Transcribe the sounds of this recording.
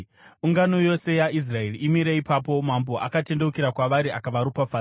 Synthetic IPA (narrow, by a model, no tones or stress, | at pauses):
uŋɡano̞jo̞se̞jaʔis̬rae̞riimiɾeipapo̞mambo̞ʔakate̞nde̞ukiɾakwaʋaɾiakaʋaɾupafaː